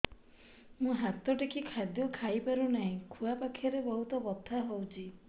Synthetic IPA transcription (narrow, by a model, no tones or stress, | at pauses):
mũɦat̪ɔʈekʰikʰad̪jɔkʰajpaɾunaɦĩkʰuapakʰjaɾebɔɦut̪ɔbɔt̪ʰːaɦowt͡ʃʰi